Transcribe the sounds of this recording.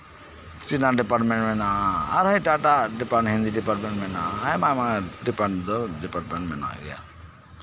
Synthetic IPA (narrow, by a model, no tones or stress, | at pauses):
t͡ʃinaɖipaʈmɛ̃ɳʈmɛnaɦãa̰ɾɦajʈaʈaɖipaɦind̪iɖipaʈmɛ̃ɳʈmɛnaɦaajmajmaɖipaɳd̪ɔɖipaɾʈmɛɳʈmɛna̰ɡɛ̰ja̰